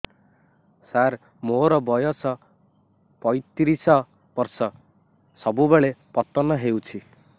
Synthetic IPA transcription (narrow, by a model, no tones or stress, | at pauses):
saɾ | moɾɔbɔjɔsɔ | pɔjt̪iɾisɔ | b̥ɔɾsɔ | sɔbubeɭepɔt̪ɔnɔɦewt͡ʃʰi